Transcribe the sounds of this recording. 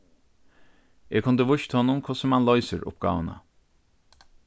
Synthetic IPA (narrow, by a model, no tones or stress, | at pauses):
jɛkʰʊnd̪əʋʊʃt̪ʰhɔnʊmkʰɔsəmɑnlɔʏsəɾʊ̰p̚ɡ̥ɑ̰ːʋənə̰